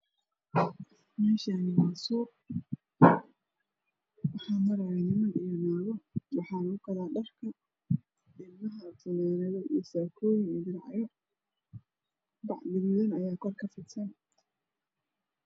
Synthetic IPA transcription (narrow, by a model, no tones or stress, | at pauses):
mɛːʃanɪwɑːsuːʔ | wɑħɑːmɐɾɐjanɪmɐnijɔnaːɣɔwɑħɑːlʊkɐlaːɖɐrkʰɐ | ɪbmɐɦɐt̪ʰʊnɛːɾɐðɔḭsaːkʰɔːjɪŋɛːd̪ɪnʕɑ̰jɔ | bɑʕd̪ɪɣʊðɐnɐjaːkʰɔrkʰɐfɪt̪sɐn